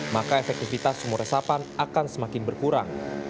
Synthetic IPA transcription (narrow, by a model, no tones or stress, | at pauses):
makaefɛk̚t̪ifit̪asəmuɾesapanakansəmakɪnbərkuɾaŋ